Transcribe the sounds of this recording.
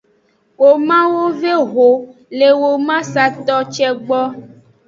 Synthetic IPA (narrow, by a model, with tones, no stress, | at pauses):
wo˨mã˦wo˦ve˦ɦo˨ | le˨wo˨mã˦sa˨t̪ɔ˦t͡ʃɛ˦ɡ͡bɔ˦